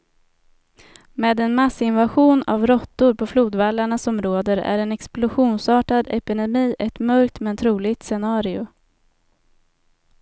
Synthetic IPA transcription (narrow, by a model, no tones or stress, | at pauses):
meːd̪ɛnmasːɪnvaɧuːna̰vɾɔt̪ːʊɾpʰɔfluːd̪valːaɳasɔmɾoːd̪əɾæ̰ɾɛnɛksplʊɧuːnsɑːʈad̪ɛpɪd̪ɛmiːʔɛt̪mœɾk̚t̪mɛnt̪ʰɾuːlɪɡt̪sɛnɑːɾɪʊ